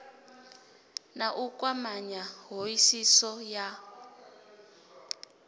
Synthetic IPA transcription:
naʔukʼwamaɲaɦoisisɔja

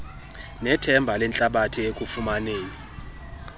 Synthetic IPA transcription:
nɛtʰɛmbʱalɛnt͡ɬʼaɓatʰiekʼufumaneːni

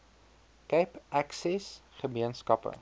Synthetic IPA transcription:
kɛjpʔæksɛsχəmiənskɐpə̰

